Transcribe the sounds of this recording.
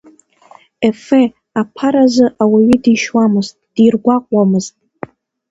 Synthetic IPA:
efe | apʰaɾazɨʔawaɥidiʃwamɨztʼd̥irɡʷaqʷʼwamɨztʼ

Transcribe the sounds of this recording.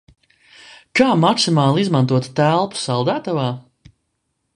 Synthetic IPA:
kaːmaksimaːlˠizmant̪̬uɔt̪t̪ælˠpu̥salˠd̪æːt̪avaː

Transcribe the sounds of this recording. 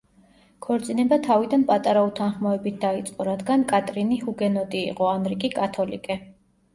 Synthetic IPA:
kʰɔɾt̪sʼinɛbat̪ʰavid̪anpʼat̪ʼaɾaut̪ʰanχmaɛbit̪̚ʰd̪ait̪sʼqʼɔɾad̪ɡankʼat̪ʼɾinihuɡɛnɔd̪ḭːqʼɔanɾikʼikʼat̪ʰɔlḭkʼɛ

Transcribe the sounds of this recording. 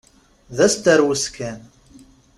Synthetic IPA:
ðæst̪əɾwəskʰæn

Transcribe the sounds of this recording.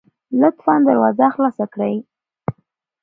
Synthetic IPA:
lʊt̪fɑnd̪aɾwɑzaxlɑsakɽəj

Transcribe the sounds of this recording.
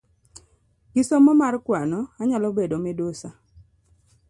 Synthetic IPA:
ɡɪsomɔmarkwanɔaɲalɔbedomɛdosa

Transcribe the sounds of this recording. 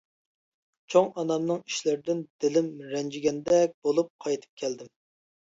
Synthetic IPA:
t͡ʃʰoŋɑnɑmnɨŋi̥ʃlɪɾɪd̪ɪnd̪̥ɪlɪmɾɛnd͡ʒiɡʲɛnd̪ɛk̚ʲb̥olˠup̚qʰɑjt̪ʰɨ̥p̚kʲʰɛld̪ɪm

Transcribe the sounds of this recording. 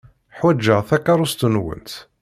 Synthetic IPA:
ħwæd͡ʒːəʁθækːɑɾˤʊst̪ənwə̰nt̪

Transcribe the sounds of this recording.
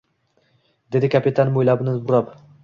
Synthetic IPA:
d̪e̞d̪ɪkʲʰapet̪ʰanɪmojlabɪnɪzbʊɾap

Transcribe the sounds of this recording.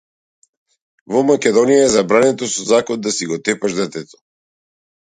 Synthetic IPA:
vɔmakʲɛd̪ɔnijaɛzabɾanɛt̪ɔsɔzakɔd̪asiɡɔt̪ɛpaʃd̪ɛt̪ɛt̪ɔ̥

